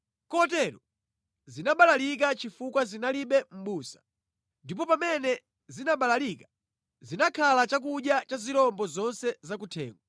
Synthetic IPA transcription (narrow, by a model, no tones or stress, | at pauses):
kɔt̬ɛɾɔ | zinaɓalalik̬at͡ʃifukwazinaliɓɛm̩ɓuːsḁ | ndipɔpamɛnɛ | zinaɓalalikḁ | zinakʰalat͡ʃak̬uɗjat͡ʃazilɔmbɔzɔnsɛzak̬utʰɛ̰ːŋɡwa